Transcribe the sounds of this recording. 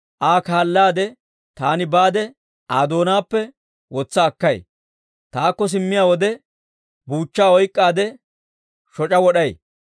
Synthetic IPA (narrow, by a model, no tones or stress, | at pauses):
ʔaːkaːlːaːd̪ɛ | t̪aːnɪbaːd̪ɛ | ʔaːd̪o̞ːnaːpːɛ | wɔt͡sːɐːkːɐj | t̪aːkːɔs̬ɪmːɪjaːwɔd̪ɛ | buːt͡ʃːaːɔjkʼːaːd̪ɛ | ʃɔt͡ʃʼɐwɔɗɐj